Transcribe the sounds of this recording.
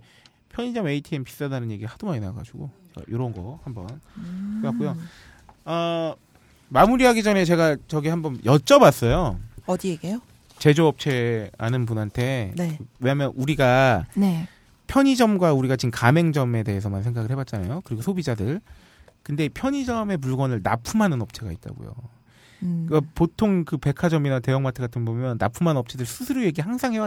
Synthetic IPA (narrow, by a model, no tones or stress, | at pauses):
pʰjʌɲid͡ʑʌme̞itʰiempi̥s͈adanɯnje̞ɡiɾɯɭhadumaɲinaɡa̰d͡ʑuɡot͡ɕe̞ɡa̰joɾʌnɡʌhambʌnkʰewak͈ujo | ʌ | mamuɾiɦaɡid͡ʑʌne̞t͡ɕe̞ɡat͡ɕʌɡihambʌnjʔʌt͡ɕ͈ʌbas͈ʌjoʌdieɡejo | t͡ɕe̞d͡ʑoʌp̚t͡ɕʰe̞a̰nɯnp̬unɦantʰe̞ewe̞ɲamjʌnʔuɾiɡane | pʰjʌɲid͡ʑʌmɡwauɾiɡat͡ɕinkame̞ŋd͡ʑʌme̞de̞ɦesʰʌmansʰe̞ŋɡaɡɯɭhʰe̞bat̚t͡ɕ͈anajokɯɾiɡosʰobid͡ʑadɯɭ | kɯnde̞pʰjʌɲid͡ʑʌme̞puɭɡwʌnɯɭna̰pʰumɦanɯnʌp̚t͡ɕʰe̞ɡa̰it̚t͈a̰ɡo̰jo̰ | kapotʰoŋkɯpe̞kʰad͡ʑʌminate̞jʌŋmatʰɯɡatʰɯnbomjʌnːa̰pʰumɦanʌp̚t͡ɕʰe̞dɯɭsʰusʰɯɾoje̞ɡihaŋsʰaŋɦe̞wa